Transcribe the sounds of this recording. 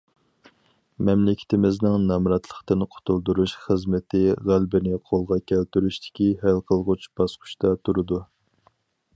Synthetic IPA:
mɛmlɪkʲʰɪ̥t̪ɪmɪznɪŋnɑmɾɑt̪ʰlˠəχt̪ɨnqʰo̥t̪ʰulˠd̪uɾuʃχəzmɪt̪ʰɪʁælbɪnɪqʰolˠʁɑkʲʰælt̪yɾyʃt̪ɪ̥kʲihælqʰəlˠʁʊt͡ʃb̥ɑsqʰʊ̥ʃt̪ɑt̪ʰuɾɨd̪u

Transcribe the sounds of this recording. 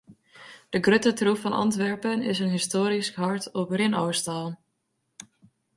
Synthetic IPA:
d̥əɡrøtətruffɑnɑ̰ntʋɛɹpənɪsənɦɪstoːɾiskɦɑɹtɔprɪnowstaːlˠ

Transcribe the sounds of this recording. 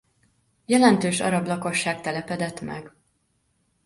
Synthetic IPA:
jɛlɛnt̪øːʃɒ̰ɾɒɡlɒko̞ʃːaːkt̪ɛlɛpɛd̪ɛt̪mɛ̰ɡ

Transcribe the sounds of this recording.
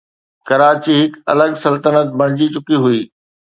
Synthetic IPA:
kɐɾaːt͡ɕiɦɪkɐ̰ləɡsɐlt̪ənət̪̚bɐɽ̃d͡ʑit͡ɕʊkiɦʊiː

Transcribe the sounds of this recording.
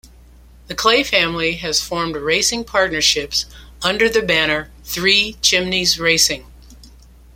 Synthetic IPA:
ðɨkʰl̥eɪfæ̃mliɨz̥fɔɹmd̚ɹeɪsɪ̃ŋpʰɑɹtⁿnə˞ʃɪps | ʌ̃ndə˞ðɨbæñə˞ | θɹit͡ʃʰɪ̃mnizɹeɪsɪ̃ŋ

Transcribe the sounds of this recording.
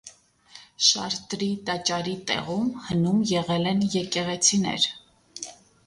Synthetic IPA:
ʃɑ̰ɾt̪ɾit̪ɑt͡ʃɑɾit̪ɛ̰ʁumhənumjɛʁɛlɛnjɛkɛʁɛt͡sʰinɛ̰ɾ

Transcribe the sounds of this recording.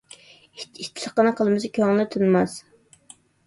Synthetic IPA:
itit̪ʰːləχqːənɨqʰəlˠmɨsɪkʲʰøŋlɪt̪ʰunmɑs

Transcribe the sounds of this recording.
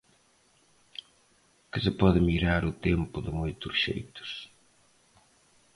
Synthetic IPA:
kɪsɪpɔðɪmiɾaɾʊt̪empʊðɪmojt̪ʊsʃḛjt̪ʊ̥s

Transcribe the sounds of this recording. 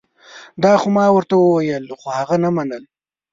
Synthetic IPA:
d̪ɑxomɑwəɾt̪awəwajəlxohaɣanamanəl

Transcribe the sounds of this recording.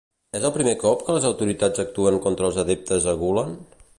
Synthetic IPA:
ɛzəlˠpɾimekɔpkələzəwt̪uɾit̪ad͡zək̚t̪uəŋkɔnt̪ɾəːlˠzəðep̚t̪əzəɣulən

